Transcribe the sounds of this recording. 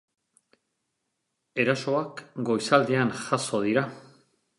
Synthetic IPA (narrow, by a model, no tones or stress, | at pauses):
e̞ɾaso̞akɡo̞jsald̪eanʝaso̞ðiɾa